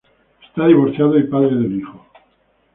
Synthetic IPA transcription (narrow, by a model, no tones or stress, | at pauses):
est̪aðiβ̞oɾθjaðoipaðɾeðelixo